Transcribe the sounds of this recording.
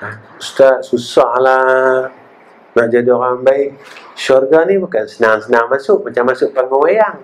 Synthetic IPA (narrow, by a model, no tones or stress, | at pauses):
a | ust̪asusahla | mad͡ʒadokambaik̚sɔrɡanibakansənaŋsənaŋmasʊk̚mat͡ʃamasʊk̚parmawajaŋ